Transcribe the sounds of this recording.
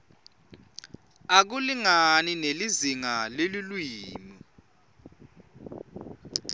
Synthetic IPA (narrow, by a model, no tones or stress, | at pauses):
ak̬uliŋanineliziŋalelilwiːmi